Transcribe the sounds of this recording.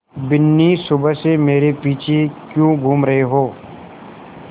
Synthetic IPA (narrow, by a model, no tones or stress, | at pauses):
bɪnːisʊbəsemeːɾepiːt͡ʃʰekjũːɡʱuːmɾɐɦeɦoː